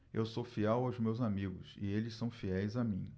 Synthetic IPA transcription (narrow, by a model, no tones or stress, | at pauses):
ewsofiɛwawzmewzamiɡʊ̰sɪ̰elɪssɐ̃w̃fiɛjzamĩ